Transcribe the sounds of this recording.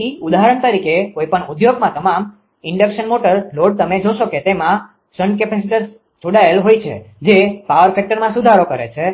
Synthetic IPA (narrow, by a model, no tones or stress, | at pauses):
iud̪aɦəɾəɳt̪əɾikekoipəɳud̪joɡmãt̪əmam | ɪɳɖəkʃənmoʈəɾloɖ̚t̪əmed͡ʒoʃoket̪emã | səɳɖkɛpɛsiʈəs | d͡ʒoɽaəlɦojt͡ʃʰḛd͡ʒepaʋəɾfɛk̚ʈəɾmãsud̪ʱaɾokəɾḛt͡ʃʰe